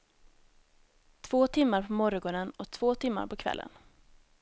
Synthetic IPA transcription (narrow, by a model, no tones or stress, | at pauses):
t̪ʰv̥oːt̪ʰɪmːaɾpʰɔmɔɾɔɡɔnənɔt̪ʰv̥oːt̪ʰɪmːa̰ɾpʰɔkʰvɛ̰lːə̰n